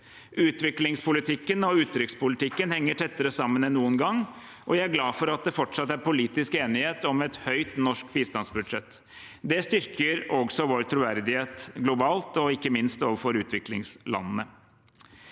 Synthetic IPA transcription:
ʔʉːt̪ʋɪklɪŋspʰʊlɪt̪ʰɪkːənɔʉːt̪ːɾʏkspʊlɪt̪ɪkːənhɛŋːəʈʰɛt̪ːəɾəsɑmːənɛnnuːənɡɑŋː | ʔɔjææɾɡlɑːfɔɾɑt̪̚d̪ɛfɔʈʂɑt̪ːæɾpʊliːt̪ɪskeːnɪheːt̪ɔmɛt̪hœʏt̪nɔʂkbiːst̪ɑnsbʉd̪ʂɛt̪ː | d̪ɛst̪ʏɾkʰəɾɔɡsɔʋoːɾt̪ʰɾuːʋæɾd̪ɪheːt̪ɡlʊbɑːlt̪ɔɪkːəmɪnst̪oːʋəɾfɔɾʉːt̪ʰʋɪklɪŋslɑ̰nːənə

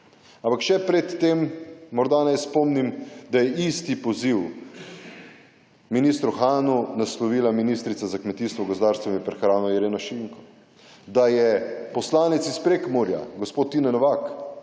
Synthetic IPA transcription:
ampakʃɛpɾɛt̪ːemːɔɾd̪anɛjspɔmnimd̪ajɛʔist̪ipɔziw | miniːst̪ɾuxaːnunaslɔʋiːlaminiːst̪ɾit̪sazakmɛt̪iːst̪ʋɔɡozd̪aːɾst̪ʋamipɾɛxɾaːnɔjɛɾeːnɔʃiŋkɔ | d̪ajɛpɔslaːnɛt̪sispɾeːkmoɾja̰ɡospot̪ːinɛnɔʋak

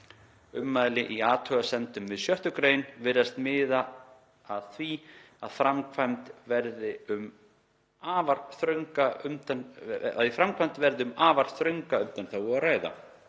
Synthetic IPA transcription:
ʏmːaðlɪʔiaːt̪ʰœɣasɛnt̪ʏmvɪðsjœht̪ʏkɾeːjnvɪɾast̪mɪːðaː | ðθvi | aðfɾamkʰvajmt̪vɛɾðɪʏm | aːvaɾθɾœŋkaʏmt̪ana̰ðifɾamkʰvajmt̪vɛɾðɪʏmaːvaɾ̥θɾœɥŋkaʏmt̪anθawaðraːjða̰

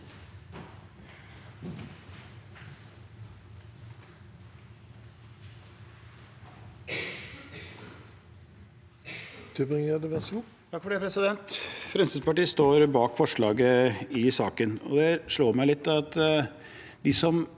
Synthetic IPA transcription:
d̪̥ɪbɪŋəd̪əʋɛs | t̪ʰɑkːfɔɖeːpʰɾɛsɪd̪ɛnt̪fɾɛmsəspɑʈiːəst̪oːɾbɑːkfɔʂɭɑːɡəɪsɑːkənɔ̰d̪ɛʂɭoːɾmæɪlɪt̪ːɑt̪ | d̪ɪsɔm

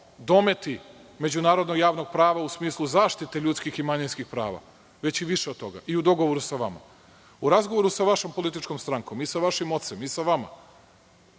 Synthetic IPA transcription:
d̪o̞me̞t̪ime̞d͡ʑunaːɾod̪noɡjaːʋno̞ɡ̚pɾaːʋausmiːslˠuzaːʃt̪it̪eʎuːt̪skiximaɲinskixpɾa̰ːʋa̰ | ʋe̞t͡ɕiʋiʃeod̪t̪ːo̞ɡa̰ʔiud̪o̞ɡo̞ʋoɾusaʋama̰ | uɾazɡoʋoɾusaʋaʃompolit̪̬it͡ʃko̞mst̪ɾaŋko̞misaʋaʃimo̞t̪semisaʋama̰

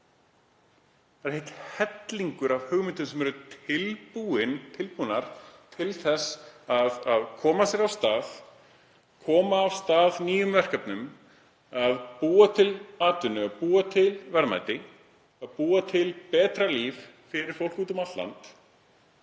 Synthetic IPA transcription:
ɛɾ̥hejt̪hɛt̪liŋkʏɾav̥hʏɣmɪnt̪ʏnsɛmɛɾʏt̪ʰɪlpuɪnt̪ʰɪlpuːnaɾ̥t̪ʰɪlθɛsaðaðkʰɔːmasjɛɾavst̪aːð | kʰɔːmaːv̥st̪aːðniːjʏmvɛr̥kapnʏm | aðpuːat̪ʰɪlaːt̪ʏnːʏaðpuːat̪ʰɪlvɛɾma̰ːjt̪ɪ | aðpuːat̪ʰɪlpɛːt̪ɾaliv | fɪɾɪɾ̥fowl̥kuːt̪ʏmat̪la̰nt̪

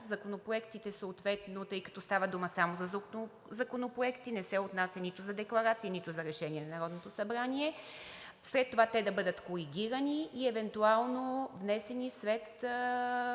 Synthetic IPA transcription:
zɐkonopɾoɛkt̪it̪ɛsoːt̪vɛt̪not̪ɤjkɐt̪ɔst̪avəd̪uməsamozɐzo | zɐkonopɾoɛkt̪inɛsɛot̪nasʲjɐnit̪ʊzɐd̪ɛklˠɐɾat̪siinit̪ʊzɐɾɛʃɛnʲiɛnɐnɐɾɔd̪not̪osɐbɾaniɛ | sɾɛt̪ːovat̪ɛd̪ɐbɤd̪ət̪koɾiɡ̟ʲiɾəniːɛvɛnt̪ualˠnovnɛsɛnisɾɛt̪

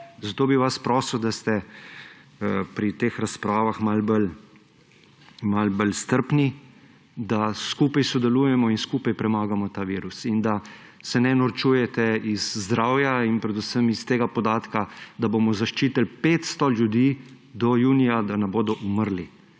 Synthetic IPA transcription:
zat̪oːbiʋaspɾɔːsəwd̪ast̪ɛ | pɾit̪eːxɾaspɾaːʋaxmalbəl | malbəlst̪əɾpni | d̪askuːpajsɔd̪ɛluːjɛmɔinskuːpajpɾɛmaːɡamɔt̪aːʋiːɾusind̪a | sɛnɛnɔɾt͡ʃuːjɛt̪ɛizːd̪ɾaːwjainpɾɛd̪usəmist̪eːɡapɔd̪aːt̪kad̪abomɔzaʃt͡ʃiːt̪əlpeːt̪st̪ɔljud̪iː | d̪ɔjuːnijad̪anɛboːd̪ɔʔuməɾli

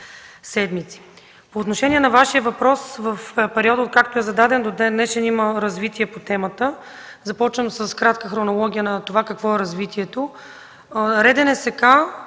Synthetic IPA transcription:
sɛd̪mit̪si̥ | poːt̪noʃɛniɛnɐvaʃiəvɐpɾɔsvəfpɛɾiɔd̪ət̪̚kakt̪oɛzɐd̪ad̪ɛnd̪od̪ɛnɛʃɛniməɾɐzvit̪iɛpot̪ɛmət̪ə | zɐpɔt͡ʃvəmsəskɾat̪kəxɾonolˠɔɡ̟ʲijənɐt̪ovakɐkvɔɛɾɐzvit̪iɛt̪o | ɾɛd̪ɛnɛsɛka

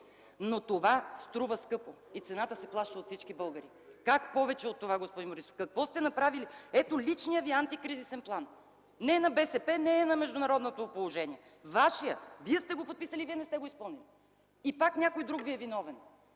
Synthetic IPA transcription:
not̪ovast̪ɾuvəskɤpo | it̪sɛnat̪əsɛplˠaʃt̪əot̪fsit͡ʃkibɤlˠɡəɾi | kakpɔvɛt͡ʃɛot̪ːovaɡospɔd̪inmoɾiso̥fkɐkvɔst̪ɛnɐpɾaviliɛt̪olit͡ʃnijəviant̪ikɾizisɛnplˠan | nɛnɐbɛsɛpɛnɛːnɐmɛʒd̪ʊnɐɾɔd̪not̪opolˠoʒɛniɛ | vaʃijəviɛst̪ɛɡopot̪̚pisəliviɛnɛst̪ɛɡoispɤlˠnili | ipaknʲakojd̪ɾukviɛvin̪ɔvɛn

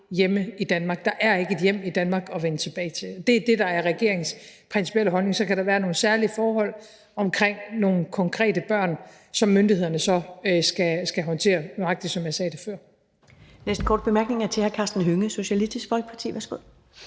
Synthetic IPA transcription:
jeməid̥ænmɑ̈ːɡ̥̚d̥ɑ̈ʔæɐe̝ɡ̥əe̝d̥jem̰id̥ænmɑ̈ːɡ̥ɒ̽ʋenət͡sʰe̝b̥ɛːɪt͡sʰe̝lɒ̽d̥e̝d̥e̝d̥ɑ̈æɐʁɛɡ̥e̝ɐ̰eŋspʰʁɛnsi̥pʰiel̰əɦɒ̽lne̝ŋsɒ̽kʰæɾ̥ɑ̈ʋæːɐno̝ːn̩sæɐlifɒːɦɒ̽l̰ | ɒ̽mkʰʁeŋ̰no̝ːn̩kʰɒ̽ŋkʰʁɛ̰ːd̥əb̥ɶɐ̰n | sɒ̽mːønd̥iɦe̝ð̰ˠɐnəsɒ̽sɡ̥æsɡ̥æɦɒ̽nt͡sʰe̝̰ːɐmɑ̈ɡ̥d̥i̥sɒ̽mjɑ̈ɪsɛːd̥e̝fɶɐ̰ | nesd̥̚kʰɒːd̥̚b̥emæɐɡ̥ne̝ŋæɐt͡sʰe̝hækʰɑ̈ːsd̥n̩ɦøŋəso̝ɕælisd̥isɡ̥fɒlɡ̥ə̥pʰɑ̈t͡sʰḭːʋæɐsɡ̥o̝ð̰ˠ

